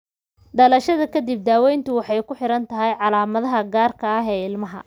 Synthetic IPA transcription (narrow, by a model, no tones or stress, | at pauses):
ɖɐlɐʃɐðɐkʰɐd̪ib̚d̪aːwɛjnt̪ʰʊwɑħɑjkʰʊħɪɾɐnt̪ʰɐɦɛjʕɑlaːmɐðɐɦɐɡaːrkʰɐɐɦɛːɪlmɐɦɐ̰